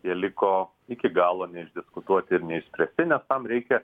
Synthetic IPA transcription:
jiɛlʲɪkoː | ɪkʲɪɡɑːlˠoːnʲɛɪʒʲd̪ʲɪskʊt̪uɔt̪ʲɪɪɾnʲɛɪʃsʲpʲɾʲɛsʲt̪ʲɪnʲɛst̪ɐmɾʲɛɪkʲɛ

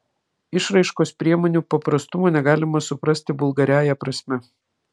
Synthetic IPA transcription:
ɪʃɾɐɪʃkoːspʲɾʲiɛmoːnʲuːpɐpɾɐst̪ʊmoːnʲɛɡɑːlʲɪmɐsʊpɾɐsʲt̪ʲɪbʊlˠɡɐɾʲæːjɛpɾɐsʲmʲɛ

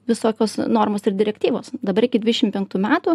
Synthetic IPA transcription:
ʋʲɪsoːkʲoːsnoːɾmoːsɪɾd̪ʲɪɾʲɛkʲt̪ʲiːʋo̰ːsd̪ɐbɐɾɪkʲɪd̪ʲʋʲɪd̪ʲɛʃʲɪmpʲɛŋk̚t̪uːmʲæːt̪uː

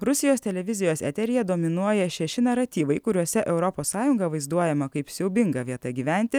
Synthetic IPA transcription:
ɾʊsʲɪjoːst̪ʲɛlʲɛʋʲɪzʲɪjoːsɛ̰ːt̪ʲɛɾʲɪjɛd̪oːmʲɪnuɔjɛʃʲɛʃʲɪnɐɾɐt̪ʲiːʋɐɪkʊɾʲuɔsʲɛʔɛʊɾɔpoːsːɑːjʊŋɡɐʋɐɪzd̪uɔjɛmɐkɐɪpsʲɛʊbʲɪŋɡɐʋʲiɛt̪ɐɡʲiːʋʲænʲt̪ʲɪ

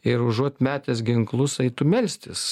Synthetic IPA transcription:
ɪɾʊʒuɔt̪ʲmʲæːt̪ʲɛsɡʲɪŋklˠʊsɐɪt̪ʊmʲɛlʲsʲt̪ʲɪs

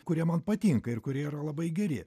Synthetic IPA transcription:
kʊɾʲiɛmɐnpɐt̪ʲiŋkɐɪɾkʊɾʲiɛiɾɐlˠɐbɐɪɡʲɛɾʲɪ

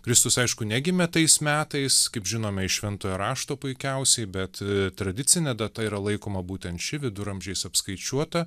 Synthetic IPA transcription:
kɾʲɪst̪ʊsɐɪʃkʊnʲɛɡʲɪmʲɛt̪ɐɪsmʲæːt̪ɐɪskɐɪpʒʲɪnoːmʲɛɪʃʲʋʲɛnt̪oːjɛɾɑːʃt̪oːpʊɪkʲɛʊsʲɛɪbʲɛt̪t̪ɾɐd̪ʲɪt̪sʲɪnʲɛd̪ɐt̪ɐiɾɐlˠɐɪkoːmɐbuːt̪ʲɛnt̪ʃʲɪʋʲɪd̪ʊɾɐmʲʒʲɛɪsɐpskɐɪt͡ʃʲuɔt̪ɐ

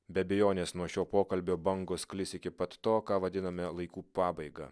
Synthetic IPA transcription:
bʲɛɐbʲɛjoːnʲeːsnuɔʃʲoːpoːkɐlʲbʲoːbɐŋɡosklʲɪsɪkʲɪpɐt̪t̪oːkɑːʋɐd̪ʲɪnɐmʲɛlˠɐɪkuːpɑːbɐɪɡɑ̰

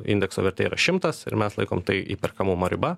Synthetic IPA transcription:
ɪ̰nʲd̪ʲɛksoːʋʲɛɾt̪ʲɛːiːɾɐ̰ʃʲɪmt̪ɐsɪ̰ɾmʲɛslˠɐɪko̰ːmt̪ɐɪḭːpʲɛrkɐmʊmoːɾʲɪbɐ

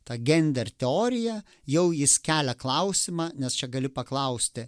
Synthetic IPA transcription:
t̪ɑɡʲɛnʲd̪ʲɛrʲt̪ʲɛoːɾʲɪjɛ | jɛʊjɪskʲæːlʲɛklˠɐʊsʲɪmɑːnʲɛst͡ʃʲɛɡɐlʲɪpɐklˠɐʊsʲt̪ʲɪ

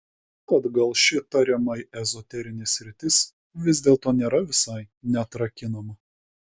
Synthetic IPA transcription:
kɐd̪ɡɐlˠʃʲɪt̪ɐɾʲɛmɐjɛzɔt̪ʲɛɾʲɪnʲɪsʲɾʲɪt̪ʲɪs | ʋʲɪzʲd̪ʲeːlˠt̪oːnʲeːɾɐʋʲɪsɐɪnʲɛt̪ɾɐkʲɪnɐmɐ

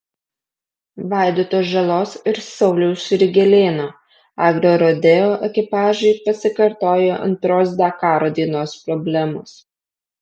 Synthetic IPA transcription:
ʋɑˑɪd̪oːt̪oːsʒɐlˠoːsɪɾsɒʊlʲɛʊsʊɾʲɪɡʲɛlʲeːnoː | ɑːɡɾʲoːɾod̪ʲeoːʔɛkʲɪpɑːʒɐɪpɐsʲɪkɐɾt̪oːjoʔɐ̰nt̪ɾoːs̬d̪ʲɑkɑːɾoːd̪ʲiːɛnoːspɾɔbʲlʲɛmos

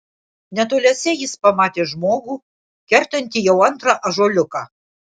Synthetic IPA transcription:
nʲæt̪olʲæsʲɛjispɑmɑt̪ʲeʒmoɣu | kʲɛrt̪ɘ̆nʲt̪ʲijɛwɑnt̪rɑʔɑʒolʲɘkɑ

